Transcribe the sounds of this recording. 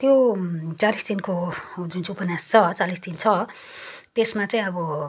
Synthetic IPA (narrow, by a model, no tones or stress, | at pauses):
t̪jot͡salisd̪inkod͡zunt͡supʌnjast͡sʰʌt͡salisd̪int͡sʰʌ | t̪esmat͡saĩʌbʌ